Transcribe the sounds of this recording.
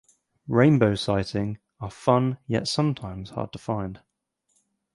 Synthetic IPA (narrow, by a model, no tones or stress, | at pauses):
ɹẽɪ̃nbəʊsaɪtʰɪ̃ŋ | əfʌ̃njɛ̰tsʌ̃mtʰãɪ̃mz̥hɑ̰ːd̚tʰə̥fãɪ̃nd̥